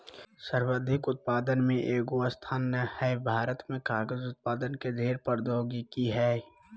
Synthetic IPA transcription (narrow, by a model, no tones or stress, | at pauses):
səɾwəd̪ʱɪkʊt̪̚paːd̪ənmẽʔeːɡoast̪ʰaːnəhɛbʱaːɾət̪mẽkaːɡəzʊt̪̚paːd̪ənked̪ʱeːɾpəɾd̪ʱoːɡikiɦɛː